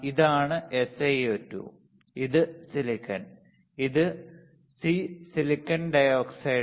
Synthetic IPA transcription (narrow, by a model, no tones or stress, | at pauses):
iðaːɳɨesejotːṵ | iðɨsilikːɐn | iðɨ | sisilikːɐnɖɐjoːksɐj